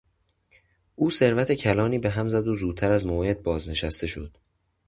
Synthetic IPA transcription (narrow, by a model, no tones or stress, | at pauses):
ʔuːse̞ɾvæt̪ʰe̞cʰælɒːniːbe̞ɦæmzæd̪ozuːd̪t̪ʰːæɾæzmohe̞d̪̚bɒːzne̞ʃæst̪ʰe̞ʃo̞d̪̥